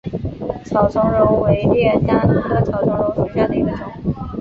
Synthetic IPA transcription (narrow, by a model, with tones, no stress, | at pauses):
t͡ɕʰɑ˨˩ʊʈ͡ʂʰʊ˧˥ŋɻo˧˥ʊwe˧˥ɪt̪jɛ˥˩nt͡ɕja˥t̪ʰɤ˧˥d̪ə˧˩t͡ɕʰɑ˨˩ʊʈ͡ʂʰɤ˧˥ŋɻo˧˥ʊsu˧˥t͡ɕja˥˩nt̪i˥˧˥də˧˩ʈ͡ʂʊ˨˥˩ŋ˥˩